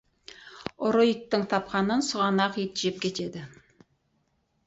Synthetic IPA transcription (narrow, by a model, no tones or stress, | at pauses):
ʊɾojək̚t̪ːəɴt̪ʰɑpqɑnənsʊʁɑnɑqet̪ʒep̚kʲʰe̞t̪e̞d̪ɪ